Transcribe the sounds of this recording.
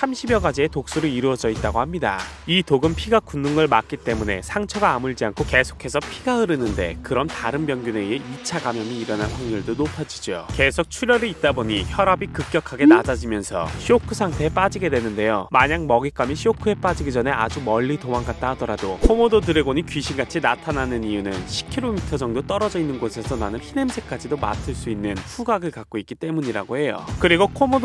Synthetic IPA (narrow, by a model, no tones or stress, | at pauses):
sʰamɕʰibjʌɡad͡ʑie̞tok̚s͈uɾɯiɾuʌd͡ʑʌit̚t͈aɡohamɲidaitoɡɯmpʰiɡakunːuŋɯɭmak̚k͈it͈e̞mune̞sʰaŋt͡ɕʰʌɡaːmuɭd͡ʑiankʰoke̞sʰo̥kʰe̞sʰʌpʰiɡaɯɾɯnɯnde̞̰kɯɾʌmtaɾɯnmjʌŋɡjune̞ieit͡ɕʰaɡamjʌmiːɾʌnanɸaŋjuɭdonopʰad͡ʑid͡ʑo̰ke̞sʰok̚t͡ɕʰuɾjʌɾiit̚t͈aboɲiçjʌɾabikɯk̚k͈jʌkʰaɡe̞nad͡ʑad͡ʑimjʌnsʰʌ̰ɕʰiokʰɯsʰaŋtʰe̞ep͈ad͡ʑiɡe̞dwe̞nɯnde̞jomaɲaŋmʌɡik͈amiɕʰiokʰɯe̞p͈ad͡ʑiɡid͡ʑʌne̞ʔad͡ʑumʌʎːitomaŋɡat̚t͈aɦadʌɾadokʰomododɯɾe̞ɡoɲikɥiɕʰiŋɡat͡ɕʰinatʰananɯnijunɯnɕʰi̥kʰiɾomitʰʌd͡ʑʌŋdot͈ʌɾʌd͡ʑʌinːɯnɡosʰe̞sʰʌnanɯnhʰine̞msʰek͈ad͡ʑidoma̰tʰɯɭs͈uinːɯnɸuɡaɡɯɭkak̚k͈oik͈it͈e̞muɲiɾa̰ɡohe̞jo̰kɯɾiɡokʰomod